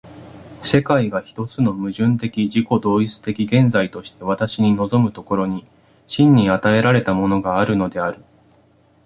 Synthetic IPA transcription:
se̞kaiɡaçi̥t̪o̞t͡sɨno̞mɯ̟ʑɨ̃nt̪e̞kʲiʑiko̞d̪o̞ːit͡sɨ̥t̪e̞kʲiɡẽ̞nd͡zait̪o̞ɕi̥t̪e̞βat̪aɕiɲ̟ino̞zo̞mɯ̟t̪o̞ko̞ɾo̞ɲ̟i | ɕĩɲ̟ːiat̪ae̞ɾaɾe̞t̪amo̞no̞ɡaːɾɯ̟no̞d̪e̞aɾɯ̟

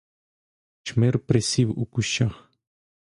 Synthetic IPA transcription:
t͡ʃmeɾpɾesʲiwṵkuʃax

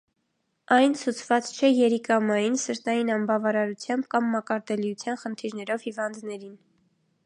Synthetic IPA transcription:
ɑjnt͡sʰut͡sʰvɑt͡st͡ʃʰɛjɛɾikɑmɑjinsəɾt̪ɑjinɑmbɑvɑɾɑɾut͡sʰjɑmbkɑmːɑkɑɾt̪ɛlijut͡sʰjɑnχənt̪ʰiɾnɛɾɔvhivɑnd̪nɛɾin

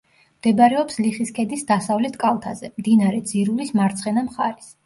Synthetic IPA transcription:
md̪̥ɛbaɾɛɔpsliχiskʰɛd̪isd̪asavlɛt̪ʰkʼalˠt̪ʰazɛmd̪inaɾɛd̪ziɾulismaɾt̪sʰχɛnamχaɾis

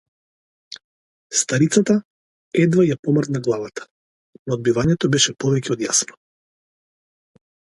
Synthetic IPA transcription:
st̪aɾit̪sat̪a | ɛd̪vajapɔmrd̪naɡlˠavat̪ḁ | nɔːd̪bivaɲɛt̪ɔbɛʃɛpɔvɛcɛɔd̪jasnɔ̥

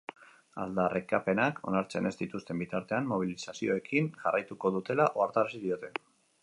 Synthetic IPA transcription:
a̰ld̪arʔekape̞nakʰo̞̰naɾt͡se̞ne̞zd̪it̪ust̪e̞mbit̪aɾt̪e̞anmo̞β̞ilisasio̞e̞kinʝa̰rajt̪uko̞ðut̪e̞laʔo̞aɾt̪aɾasiðio̞t̪e̞

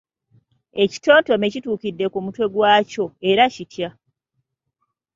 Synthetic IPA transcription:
e̞ci̥to̞ːnto̞me̞cituːkidːe̞kumutwe̞ɡwaːco̞e̞ɾacitja

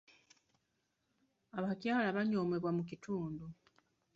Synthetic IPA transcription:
aβacjaːlaβaɲo̞ːmeβwamucitʰuːndu

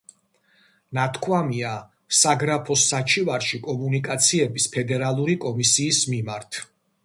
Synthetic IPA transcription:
nat̪ʰkʰwamia | saɡɾapʰɔsːat͡ʃʰivaɾʃikʼɔmunikʼat̪sʰiɛbispʰɛd̪ɛɾalˠuɾikʼɔmisiːsmimaɾt̪ʰ

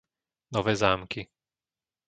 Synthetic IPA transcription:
nɔʋɛːzaːmki

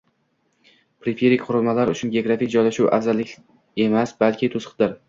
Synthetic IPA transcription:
pɾɪfʲe̞ɾikʲqʰʊɾʊlˠmalaɾʊt͡ʃʰʊnɡʲeoɡɾafik̚ʲd͡ʒɒjlaʃuwʔa̰fzalːɪkʲ | e̞masbalkʲɪt̪ʰʊsqd̪ɪɾ

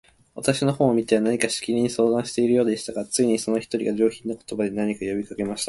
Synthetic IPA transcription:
βat̪aɕinohõ̞ːɰ̃omʲit̪e̞anaɲ̟ikaɕi̥kʲiɾʲiɲ̟iso̞ːd̪ãɰ̃ɕi̥t̪e̞iɾɯ̟jo̞ːd̪e̞ɕi̥t̪aɡat͡sɨiɲ̟iso̞no̞çi̥t̪o̞ɾʲḭɡad͡ʑo̞ːçʲĩnːoko̞t̪o̞bad̪e̞naɲ̟ikajo̞bʲikake̞maɕi̥t̪a

